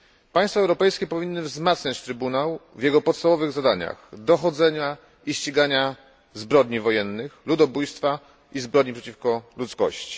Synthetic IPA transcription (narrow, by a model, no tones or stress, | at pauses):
paj̃st̪fɔɛwɾɔpɛjskʲɛpɔvʲinːɘvzmat̪sɲat͡ɕt̪ɾɘbunawvʲjɛɡɔpɔt̪st̪avɔvɘɣzad̪aɲa̰xd̪ɔxɔd̪zɛɲa | iɕt͡ɕiɡaɲa | zbɾɔd̪ɲivɔjɛnːɘxlud̪ɔbujst̪fa | izbɾɔd̪ɲipʂɛt͡ɕifkɔlut̪skɔ̰ɕt͡ɕi̥